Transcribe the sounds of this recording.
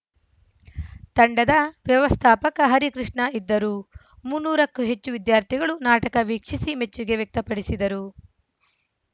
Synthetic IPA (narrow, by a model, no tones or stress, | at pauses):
t̪ɐɳɖɐd̪ɐʋjɐʋɐst̪ʰaːpɐkɐɦɐɾikɾiʂɳɐid̪ːɐɾu | munːuːɾɐkːuɦet͡ʃːuʋid̪jaːɾt̪ʰiɡɐɭunaːʈɐkɐʋiːkʂisimet͡ʃt͡ʃːiɡe̞ʋjek̚t̪ɐpɐɽisid̪ɐɾu